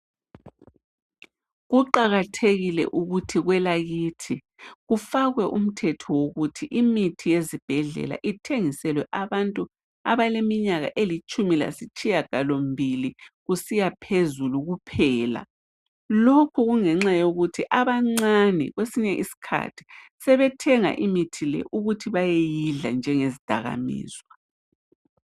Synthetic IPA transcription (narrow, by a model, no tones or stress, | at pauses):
ɣuǃaɣatʰeɣilɛ̰ʔuɣutʰiɣwɛlaɣiːtʰi | ɣufaɣwɛʔum̩tʰɛtʰɔwoɣutʰiʔimitʰijezib̥ʱɛɮɛ̰la̰ʔitʰeŋisɛlwɛʔaβantʼu | a̰βalemiɲaɣa̰ʔelit͡ʃʼumila̰sit͡ʃʼijaɡ̥alom̩bʱiliɣusijapʰezuluɣupʰɛːla̰ | lokʰuɣuŋɛŋ͡ǁajoɣutʰiʔaβaŋ͡ǀanɛ̰ɣwesiɲɛʔisi̥kʰa̰tʰi̥sɛβɛtʰɛŋa̰ʔimitʰilɛ̰ʔuɣutʰiβajejiɮa̰nd͡ʒʱɛŋezid̥ʱa̰ɣa̰mḭːzwa